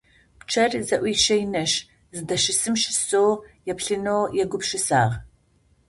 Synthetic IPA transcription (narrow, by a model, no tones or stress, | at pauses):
pt͡ʃʰɐrzɐʔʷiʃɐjnɐʃ | zɨdɐʃɪsɨmʃɪ̥soːjɛpɬɨnoːjɛɡʷʊpʃɪsa̰ːʁ